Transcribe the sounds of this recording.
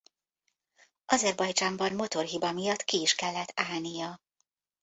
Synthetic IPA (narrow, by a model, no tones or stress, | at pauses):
ɒzɛrbɒjd͡ʒaːmbɒnmo̞t̪o̞rɦibɒmijɒt̪ːkiːʃkɛlːɛt̪ʰːaːlnijɒ